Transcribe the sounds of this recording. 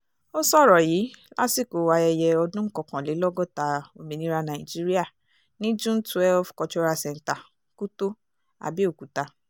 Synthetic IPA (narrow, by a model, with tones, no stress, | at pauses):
o˦sɔ˦˨ɾɔ˨jiː˨˦la̰˦si˦˨ko˨˦wa˧ɛ˧jɛ˧ɔ˧dũ˦ŋ̩˦kɔ˨kã˨le˨˦lɔ˦ɡɔ˦˨ta˧o˨mĩ˨nĩ˦ɾa˧nã˨i˨d͡ʒi˦ɾi˦a˦˨ | nĩ˦d͡ʒũ˦n˦tu˨˦ɛ˦lfkɔ˧t͡ʃɔ˧ɾa˧sɛ˨n̩˨ta˨ | ku˦to˦ | a̰˨bi˦o˦˨ku˨ta˧